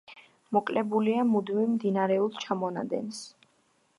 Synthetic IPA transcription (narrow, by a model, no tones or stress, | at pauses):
mɔkʼlɛbuliamud̪mimd̪inaɾɛulˠt͡ʃʰamɔna̰d̪ɛ̰ns